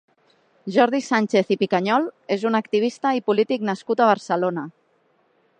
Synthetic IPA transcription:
ʒɔɾð̞isanʲt͡ʃeθipikaɲɔlezunakt̪iβ̞ist̪aipulit̪iknaskut̪aβ̞əɾsəlonə

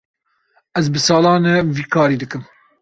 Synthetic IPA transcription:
ɛzbɨsɑːlɑːnɛviːkʰɑːɾiːd̪ɨkɨm

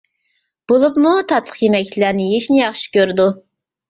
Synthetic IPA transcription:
b̥olˠupmut̪ʰɑt̪lˠə̥qjemɛkʲt͡ʃʰlæɾnɪjeʃnɪjɑχʃi̥kʲøɾd̪u

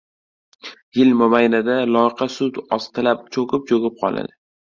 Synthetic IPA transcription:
jɪlmʊbajnad̪alˠɒjɪqʰɑsʊt̪ɒst̪ʰɪlap̚t͡ʃʰokɪp̚t͡ʃʰoɡʲɪp̚qʰɒ̰lˠa̰d̪ɪ

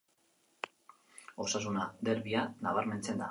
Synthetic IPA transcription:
o̞sas̬unad̪e̞ɾβianaβaɾme̞nt͡se̞nd̪a

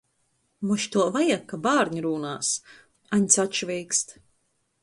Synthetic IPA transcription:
mɔʃt̪uɔvajakːabaːɾɲiɾuːnaːs | aɲʲt̪sʲat͡ʃvʲɛjkst̪

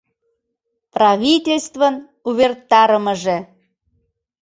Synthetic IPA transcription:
prɑβʲitʲelʲst̪vən | uβʲert̪ɑɾəməʒĕ

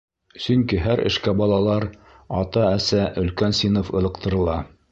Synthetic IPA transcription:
sɵ̆ŋkiɦæɾʔɘ̰̆ʃkæbɑlˠɑlˠɑɾ | ɑt̪ɑæsæʔɵ̆lkænsinofɤ̆lˠɤ̆q̚t̪ɤ̆ɾɤ̆lˠɑ

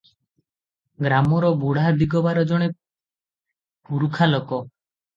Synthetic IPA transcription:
ɡɾamɔɾɔbuɽ̤ad̪iɡɔbaɾɔd͡ʒɔɽ̃e | puɾukʰalɔkɔ

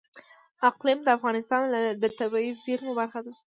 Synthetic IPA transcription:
aqlɪmd̪əafɣɑnɪst̪ɑnlad̪ət̪abɑizːiɾmobaɾxad̪a

